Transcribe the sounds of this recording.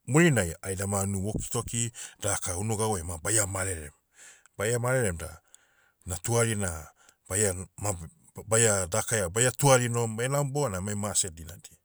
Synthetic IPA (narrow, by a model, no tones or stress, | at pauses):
muɾinajajdamanuwoki̥to̞kid̥akaunuɡawemabajamaɾeɾḛm | bajamaɾeɾemda̰ | natuaɾina | b̥ajama | bajadakajabajatuaɾinomaenawmboanamajmasedinadi